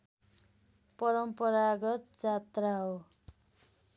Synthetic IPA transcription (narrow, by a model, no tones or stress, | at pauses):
pʌɾʌmpʌɾaɡʌt̪̚d͡zat̪raɦo